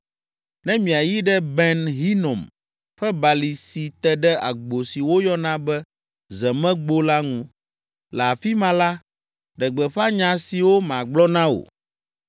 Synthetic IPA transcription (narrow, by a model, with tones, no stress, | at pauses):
nɛ̃˦mĩ˨a˨ji˦ɖɛ˦bɛ˦nɦi˦nɔ̃˨m | ɸɛ˦ba˨li˨si˨t̪ɛ˦ɖɛ˦a̰˨ɡ͡bo˨si˨wo˦jɔ˦nã˦bɛ˦ | zɛ˨mɛ̃˦ɡ͡bo˦la˦ŋũ˦ | lɛ˨a˨fi˦mã˦la˦ | ɖɛ˨ɡ͡bɛ˨ɸa˦ɲã˨si˨wo˦mã˨ɡ͡blɔ˦nã˦o̰˨